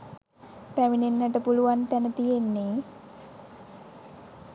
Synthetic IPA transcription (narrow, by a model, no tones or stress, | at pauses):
pæminenːəʈəpuluʋant̪ænət̪ijenːe